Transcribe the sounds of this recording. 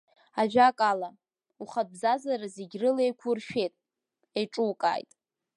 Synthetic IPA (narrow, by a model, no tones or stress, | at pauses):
aʒᶣakʼala | uχat̚bzazaɾazeɡʲrɨlejkʷʰʊrʃᶣe̞tʼ | ejʈ͡ʂʼuwkʼa̰ːjtʼ